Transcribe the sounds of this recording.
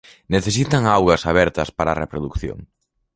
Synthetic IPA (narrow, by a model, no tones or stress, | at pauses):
neθesit̪ɐŋawɣɐsaβɛɾt̪ɐspaɾarepɾoðukθjo̰ŋ